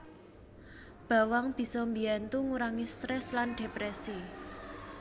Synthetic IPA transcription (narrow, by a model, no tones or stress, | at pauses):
b̥ä̤waŋb̥i̤sɔmbiant̪uŋuɾaŋist̪ɾɛslanɖ̥epɾɛsi